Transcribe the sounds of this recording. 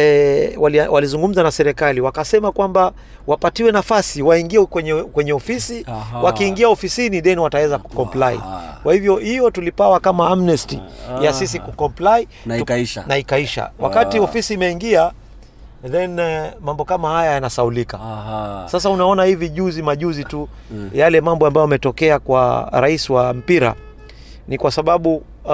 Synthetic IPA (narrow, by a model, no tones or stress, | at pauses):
ɛwawalizuŋɡum̩zanasɛɾɛkaliwakasɛmakwamba | wapatiwɛnafasiwaiŋɡiɛkwɛɲɛkwɛɲɛɔfisiwakiːŋɡiaɔfisiniɗɛniwatawɛzaku̥kɔmplaḭkwahivjɔhijɔtulipawakamaamnɛstijasis̬ikukɔmplai | nta̰naikaiʃa̰wa̰katiɔfisiːmɛiŋɡia | ðɛnmambɔkamahajajanasaulikasas̬aunaɔnahiviʄuzimaʄuzitu | jalɛmambɔambajɔmɛtɔkɛakwa̰ɾaisiwam̩piɾa̰ | nikwasaɓaɓu